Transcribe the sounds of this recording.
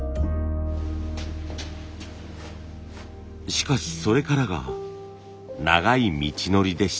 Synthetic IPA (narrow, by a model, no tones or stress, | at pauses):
ɕi̥kaɕi̥so̞ɾe̞kaɾaɡa̰ | na̰ɡaimʲit͡ɕino̞ɾʲid̪e̞ɕi̥